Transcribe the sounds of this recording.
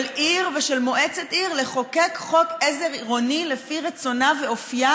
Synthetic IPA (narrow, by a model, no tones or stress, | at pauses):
lʔiʁveʃelmoʔet͡set̪ʔiʁle̞χo̞kekχokeze̞ʁiʁo̞nilefiʁet͡so̞naveofija